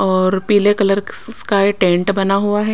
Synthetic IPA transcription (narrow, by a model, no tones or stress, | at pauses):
ɔːɾpiːlekɐləɾkaeʈẽːɳʈbɐnaɦuaɦɛː